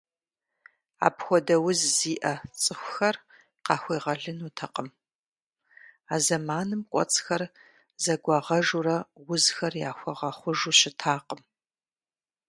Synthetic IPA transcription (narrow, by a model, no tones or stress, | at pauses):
a̰ːpxʷɔdɐwʊzziːʔɐt͡sʼɨxʷʊxɐr | qɑːxʷeːʁɐɮɨnuːtʰɐqəm | aːzɐmaːnɨmkʷʼɔ̰t͡sʼxɐr | zɐɡʷɑːʁɐʐurɐwʊzxɐrja̰ːxʷɔʁɐχʷʊʒuɕɪtʰaːqəm